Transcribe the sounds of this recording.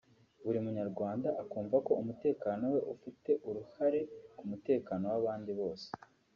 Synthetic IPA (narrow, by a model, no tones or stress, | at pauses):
βuɾimuɲaɾɡwaːndaʔakuːɱvako̞umute̞ːkano̞we̞ʔufite̞ʔuɾuhaɾe̞kumute̞ːkano̞waβaːndiβo̞ːse̥